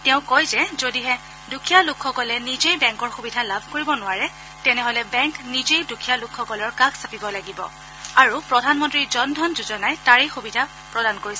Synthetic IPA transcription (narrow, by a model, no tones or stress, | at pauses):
tɛʊ̃kɔjzɛzodiɦɛ | dukʰijalukʰxɔkɔlɛnizejbɛŋkɔɹxubidʱalabʱkoɹibɔnʊwaɹɛ | tɛnɛɦolɛbɛŋknizejdukʰijalukʰxɔkɔlɔɹkaksapibɔlaɡibɔ̰ | aɹupɹɔdʱanmɔntɹizɔndʱɔnzuzɔnajtaɹejxubidʱa | pɹɔdankoɹis